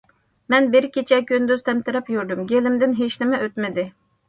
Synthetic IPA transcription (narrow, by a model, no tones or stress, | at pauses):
mɛnbɪɾkʲet͡ʃʰɛkʲønd̪yz̥t̪ʰɛmt̪ɪɾɛpjyɾd̪ymɡʲelɪmd̪ɪnɦeʃnɪmɛʔøt̪mɪd̪ɪ